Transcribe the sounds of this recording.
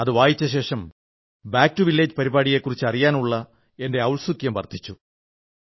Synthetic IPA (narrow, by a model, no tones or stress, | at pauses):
ɐðɨʋaːjit͡ɕːɐɕe̞ːʂɐm | baːk̚tuʋilːeːd͡ʑpɐɾibaːɽije̞kːurit͡ɕːɨɐrijaːnuɭːɐ | e̞nde̞ɐwɭsukjɐmʋɐ̰rt̪ʰːi̥t͡ɕːu